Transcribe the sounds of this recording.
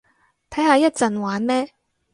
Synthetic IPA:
t̪ʰɐ˨˥jhaː˨˧jɐ˥t̚t͡sɐ˨nwaː˨˥nmɛː˥

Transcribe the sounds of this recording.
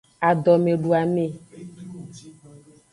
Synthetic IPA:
a˨d̪ɔ˨mẽ˨ɖu˨a˨mẽ˦˨

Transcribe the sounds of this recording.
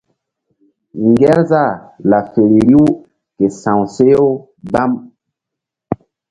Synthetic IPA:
ŋɡɛ˦ɾza˦˨la˨fe˨ɾi˨ɾi˦w | ke˨sã˨wse˦jo˦ | ba˦m

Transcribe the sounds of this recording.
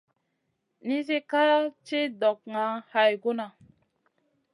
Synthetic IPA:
ni˦s̬e˦ka˦t͡ʃe˦dɔ˨k̚ŋa˨˦ha˨jɡo˦na˨

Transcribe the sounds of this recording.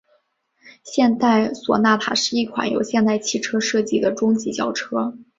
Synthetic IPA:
ɕjɛ˥˧nt̪a˥˩ɪswɔ̰˨˩na˥˩pʰa̰˨˩ʂɻ̩˥˧i˥˩kʰwa̰˨˩˥njo̰˨˩ʊɕjɛ˥˧nt̪a˥˧ɪt͡ɕʰi˥˩ʈ͡ʂʰɤ˥ʂɤ˥˧t͡ɕi˥˩d̪ə˩ʈ͡ʂʊ˥ŋt͡ɕi˧˥t͡ɕjɑ˥˩ʊʈ͡ʂʰɤ˥

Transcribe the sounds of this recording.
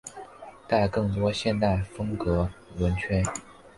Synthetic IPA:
t̪a˥˧ɪkɤ˥˩ŋt̪wɔ˥ɕjɛ˥˧nt̪a˥˩ɪfɤ˥ŋkɤ˧˥wə˧˥nt͡ɕʰɥɛ˥n

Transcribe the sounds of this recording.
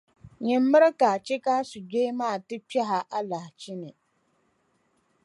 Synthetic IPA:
ɲɪ˨m̩ː˦ɨ˦ɾɨ˦ka˨t͡ʃi˦ka˦su˨d͡ʒe˦maː˦˨tɨ˦pɛ˦ɦa˨ʔa˦la˨hɪ˨t͡ʃi˦nɨ˨

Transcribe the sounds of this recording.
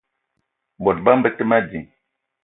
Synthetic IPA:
bɔ˨t̚ba˦m˦bə˦tə˦ma˦d͡ʒi˨ŋ

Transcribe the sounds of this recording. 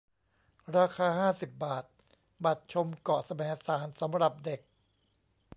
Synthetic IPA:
ɾaː˧kʰaː˧haː˥˩si˨˩p̚baː˨˩t̪̚ | ba˨˩t̪̚t͡ɕʰo˧mkɔ˨˩sa˧mɛː˩˦saː˩˦nsa˩˦mɾa˨˩p̚de˨˩k̚

